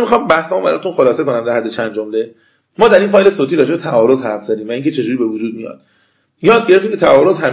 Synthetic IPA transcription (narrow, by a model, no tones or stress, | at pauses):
mixɑːmbæhsɔmbæɾɒ̰t̪unχolɒːse̞konæmd̪æɾɦæd̪ːet͡ʃʰænd̪d͡ʒomle̞ | mɒːd̪æɾinfɒːjle̞soːt̪ʰiɾɒːd͡ʒebet̪ʰæʔɒːɾozhæɾfz̥æd̪iːmvæiːŋcʰe̞t͡ʃʰe̞d͡ʒuːɾiːbe̞vod͡ʒuːd̪̚mijɒ̰ːd̪̥ | jɒːd̪̚ɟeɾe̞ft̪imkʰʲet̪ʰæɒːɾozɦæ